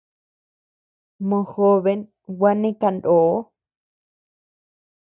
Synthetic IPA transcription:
mõ˧˨xo˦βe˧n | wa˦nĩ˦ka˧ndo˨˦

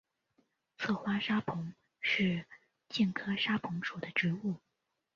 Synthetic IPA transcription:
t͡sʰɤ˥˩xwa˥ʂa˥pʰʊ˧˥ŋ | ʂɻ̩˥˧ | t͡ɕi˥˩nkʰɤ˥ʂa˥pʰʊ˧˥ŋʂu˨˩d̪ə˦ʈ͡ʂɻ̩˧˥u˥˩

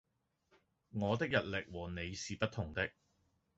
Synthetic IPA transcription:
ŋɔː˨˧t̪ɪ˥k̚jɐ˨t̚lɪ˨k̚wɔː˨˩ne˨˧jsiː˨pɐ˥t̪̚ʰːʊ˨˩ŋt̪ɪ˥k̚

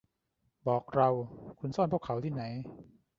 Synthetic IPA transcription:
bɔː˨˩k̚ɾa˧wkʰu˧nsɔ˥˩npʰu˥˩əkʰa˩˦wt̪ʰiː˥˩na˩˦j

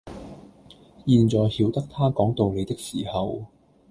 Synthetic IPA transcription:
jiː˧nt͡sɔː˨˩jhiː˨˥wt̪ɐ˥k̚t̪ʰaː˥kɔː˨˥ŋt̪o˨wle˨˧jt̪ɪ˥k̚siː˨˩hɐ˨w

